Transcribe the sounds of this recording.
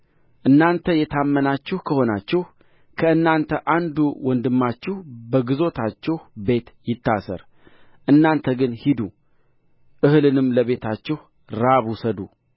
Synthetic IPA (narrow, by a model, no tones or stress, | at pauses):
ʔɨnːant̪ʰəjɛt̪ʰamːənat͡ʃːɪhkʰəho̞nat͡ʃːɪh | kʰəɨnːant̪ʰəʔand̪uwɔnd̪ɨmːat͡ʃːɪhbəɡɨzo̞t̪ʰat͡ʃːɛhbe̞t̪jɪt̪ːasə̰ɾ | ʔɨnːant̪ʰəɡɨnhid̪u | ʔɨhɨlɨnɨmləβe̞t̪ʰat͡ʃːɪh | ɾaβusəd̪u